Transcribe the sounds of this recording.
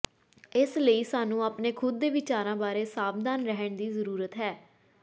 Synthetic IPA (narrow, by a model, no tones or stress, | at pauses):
ɪsləiːsaːnũːaːpneːkʰʊd̪̚ːeːʋɪt͡ʃaːɾãːbaːɾeːsaːbd̪aːnɾɛɦəɳd̪iːzəɾuːɾət̪ɦɛː